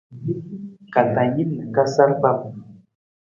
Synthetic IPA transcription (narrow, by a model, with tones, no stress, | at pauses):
ka˨ta˨ji˦nnə˨ka˦sa˦ɾba˦p̚